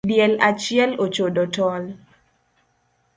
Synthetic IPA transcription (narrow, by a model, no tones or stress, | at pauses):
djɛlat͡ʃɪɛlot͡ʃodotɔl